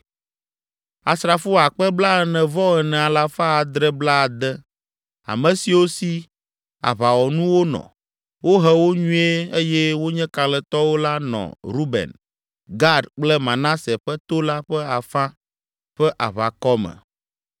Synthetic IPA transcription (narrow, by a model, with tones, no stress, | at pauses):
a̰˨sɾa˨fo˦a˨k͡pɛ˦bla˦ɛ˨nɛ̃˨vɔ˦ɣɛ˨nɛ̃˨a˨la˦fa˦a˨d̪ɾɛ˦bla˦˨d̪ɛ˦ | a̰˨mɛ̃˨si˨wo˦si˦ | a̰˨βa˨wɔ˨nũ˦wo˦nɔ̰̃˨ | wo˦ɦɛ˦wo˦ɲũ˦e˦e˦jɛ˦wo˦ɲɛ̃˦ka˨lɛ˨t̪ɔ˦wo˦la˦nɔ̰̃˨ɾu˦bɛ̰˨n | ɡa˦dk͡plɛ˦mã˨nã˦sɛ˨ɸɛ˦t̪o˦la˦ɸɛ˦a˨fã˦ | ɸɛ˦ʔa˨βa˨kɔ˦mɛ̰̃˨